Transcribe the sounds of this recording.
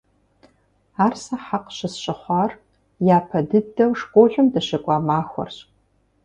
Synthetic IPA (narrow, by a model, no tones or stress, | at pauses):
aːrsɐħaqɕɨsɕʼɨχʷɑːr | jaːpʰɐdɨdːɐwʂqʷʼoʒʷᶣʊmdɐɕɐkʷʼɑːmaːxʷɔ̰rɕʼ